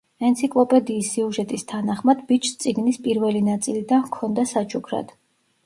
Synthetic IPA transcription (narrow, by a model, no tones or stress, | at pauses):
ɛnt̪sʰikʼlˠɔpʼɛd̪iːsːiuʒɛt̪ʼist̪ʰanaχmad̪bit͡ʃʰst̪sʼiɡnispʼiɾvɛlinat̪sʼilid̪ankʰɔnd̪asat͡ʃʰukʰɾa̰d̪̥